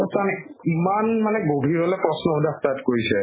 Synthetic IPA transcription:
ɔsanɛimanmanɛɡobʱiɹɔlɛpɹɔsnɔudaktatkoɹisɛ

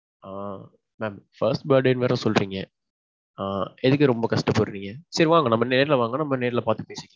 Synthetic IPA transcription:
aː | meːmfɐɾsʈbɐːɖeːnʋeːɾɐ̃sɔlɾiːŋɡɐ | aːɛðɯk̬ːɯɾɔmbɐkɐʂʈɐpːoɾɯɾiːŋɡɐsɐɾiʋaːŋɡɐnɐmːɐneːɾɪlʋaːŋɡɐnɐmːɐneːɾɪlɐpaːɾt̪ːɯpeːsɪŋɡɐ

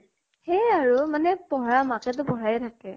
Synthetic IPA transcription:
hɛjaɹumanɛpɔɦɹamakɛt̬ʊpɔɦɹajtʰakɛ

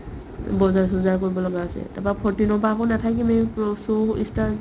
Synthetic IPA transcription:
bɔzaɹsuzaɹkoɹibɔlɔɡaːsɛ̰tapapʰɔɹtinɔpakonatʰakimepɔsoḭsta

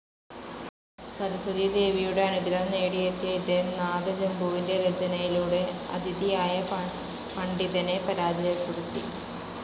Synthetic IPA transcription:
sɐɾɐsɐðijɐd̪e̞ːʋijuɽeɐɳiðilɐnːeːɽijɐt̪ːijɐid̪enaːd̪ɐɾɐmbʱuːʋinde̞ɾed͡ʑɐnɐjiluːɽeɐ̰d̪ʱiðijaːjɐ | pɐɳɖiðɐne̞pɐɾaːd̪ijɐpuɽut̪ːḭ

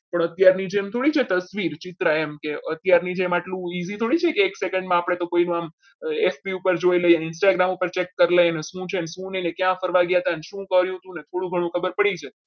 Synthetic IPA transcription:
pəɳət̪jaɾnid͡ʒeːmt̪ʰoɽit͡ʃʰet̪əsʋiɾt͡ʃɪt̪ɾaemkeət̪jaɾnid͡ʒemaʈlũizit̪ʰoɽit͡ʃʰekeːksekə̃ɳɖmãapɽ̃et̪okoinũam | efpiupəɾd͡ʒoiləjenɪnsʈaɡɾamupəɾt͡ʃekːəɾlenesũt͡ʃʰenesũnenekjãfəɾʋaɡjat̪aneʃũkəɾjũɦt̪ũnet̪ʰoɽũɡʱəɽ̃ũkʰəbəɾpəɽit͡ʃʰe

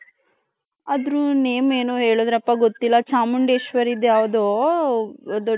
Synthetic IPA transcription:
ɐd̪ɾuneːmeːnoːɦe̞ːɭoːd̪ɾɐpːɐɡot̪ːilːɐt͡ʃaːmuɳɖeːʃʋɐɾid̪jaːʋɐd̪oː | d̪ɔ

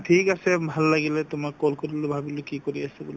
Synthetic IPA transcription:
tʰikasɛbʱalːaɡilɛtʊmakːolkoɹilobʱabilʊkikoɹiasɛbuli

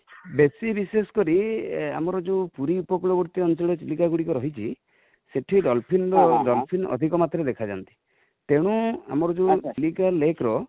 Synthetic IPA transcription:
besibisesɔ̥kɔɾia̰mɔɾɔd͡ʒeũpuɾiupɔkuɭɔbɔɾt̪iɔnt͡ʃɔɭɔt͡ʃilikaɡuɽikɔɾɔɦit͡ʃʰi | seʈʰiɖɔlpʰinɾɔɖɔlpʰinɔ̰d̪ʱikɔmat̪ɾed̪ekʰad͡ʒa̰nt̪i̥ | t̪eɽ̃ua̰mɔɾɔd͡ʒeut͡ʃilikalekɾɔ

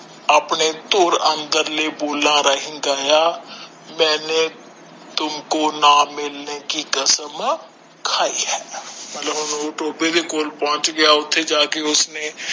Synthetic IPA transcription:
ɐpnet̪oːɾə̃nd̪əɾleboːlaɾəɦɪ̃ŋɡaːja | mɛ̃ːne | t̪ʊmkonamɪlnekikəsəm | kʰaːiɦɛːmɐt̪ləbʊnoʈoːped̪ekoːlpɔ̃ɦʊ̃t͡ʃɡɐjaʊt̪ʰːed͡ʒaːkeʊsne

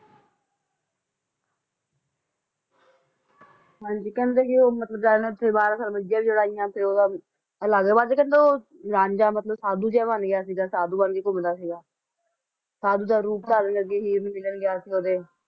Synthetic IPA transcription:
ɦãːɲd͡ʒiːkɛ̃ːnd̪eːkioːmət̪ləb̚d͡ʒaːeneʊt̪ʰːeːbaːɾasaːlməd͡ʒjãːbiːd͡ʒʊɽaːɪjãːpʰɪɾoːd̪aː | əlaːɡəbaːɾd͡ʒeːkɛ̃nd̪eoː | ɾãːɲd͡ʒaːmət̪ləbsaːd̪uːd͡ʒɛːbənɡjaːs̬iːɡaːsaːd̪uːbənkeːkʊmd̪aːsiːɡaː | saːd̪uːd̪aːɾuːp̚t̪aːɾənkəɾkeːɦiːɾbiːmɪlənɡɪjaːsiːɡoːd̪eː

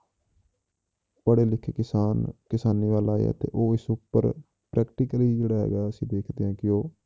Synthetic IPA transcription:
pəɽeːlɪkʰekɪsaːnkɪsaːniːʋaːlaːḛɛ̰ːt̪ḛːʔoːɪsʊpːə̰ɾ | pɾʔɛːkʈɪkəliːd͡ʒeːɽaːɦɛ̰ːɡaːəsĩːd̪eːkʰd̪eːãːkɪjoː

